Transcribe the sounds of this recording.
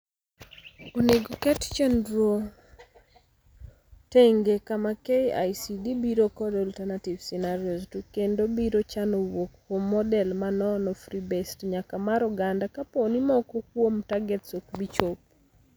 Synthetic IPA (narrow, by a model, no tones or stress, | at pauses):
oneɡokɛtt͡ʃendɾuo | teŋɡekamakeja̰jsidibiɾokɔdɔltɛnativsinaɾioztukendobiɾot͡ʃanɔwokkwomːɔdɛlmanɔnɔfɾibɛstɲakamaɾɔɡandakaponimɔkɔk̚womtaɡɛtsokbit͡ʃop̚